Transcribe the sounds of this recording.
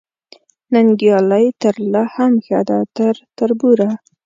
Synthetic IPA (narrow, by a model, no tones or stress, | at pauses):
naŋɡjɑlajt̪əɾlahamxad̪at̪əɾt̪əɾbuɾa